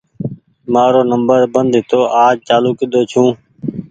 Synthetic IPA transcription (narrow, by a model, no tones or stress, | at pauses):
maːɾoːnəmbəɾbənd̪ʱɪt̪ʰoːʔaːd͡ʒt͡ʃaːluːkɪd̪oːt͡ʃʰũː